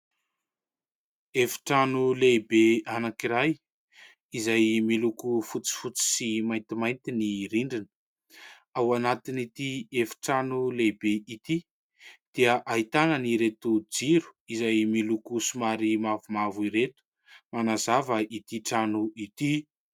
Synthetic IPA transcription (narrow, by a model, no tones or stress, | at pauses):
efi̥ʈ͡ʂanulebeanakiɾaj | izajmilukufut͡si̥fut͡si̥simajnt̪imajnt̪iniɾiɳɖ͡ʐinə̥ | awanat̪init̪iefi̥ʈ͡ʂanulebeit̪i | d̪̥eəʔaɦit̪anəniɾet̪ud͡ziɾu̥izajmilukusumaɾimavumavuiɾet̪u̥ | manazavəʔit̪iʈ͡ʂanuit̪i